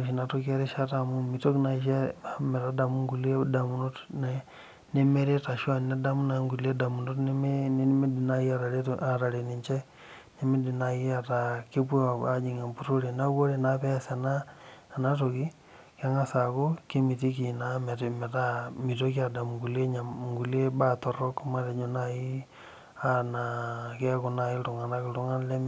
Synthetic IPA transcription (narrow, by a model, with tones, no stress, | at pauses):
ʃ̬ina˨to˦kie˦ɾe˦ʃa˦tamumi˨to˦kna˨ʃe˦ame˨tada˨mu˦ŋɡu˨lie˦da˨muno˦tne | ne˦meɾe˦ta˨ʃwa˦nne˦da˦mu˦naŋɡu˨lie˦da˨mu˨notnemnme˦di˨najia˦ɾa˨ɾea˨ɾa˨ɾe˨ni˨ɲt͡ʃe˦ | ne˦me˦di˨na˨jiatake˦pwa˨d͡ʒi˨ŋa˨mpuɾo˦ɾe˨na˦wo˦ɾe˨napɛ˦sanaː˦˨na˦to˨ki˦ | ka˦ŋa˦sa˨ko˦ke˦mi˨ti˦ki˨na˦mɛ˨te˨mɛ˨ta˦mi˨to˦ki˦a˨da˨mŋɡu˨le˦ɲa˨ŋɡu˨le˦ba˨tɔ˨ɾɔ˦kma˦ɾe˨ɲo˦nai˦ | ana˨ka˦ko˨na˨i˦ltʊ˨ŋa˨na˦kɪ˨ltu˦ŋa˦n˦lɛ˦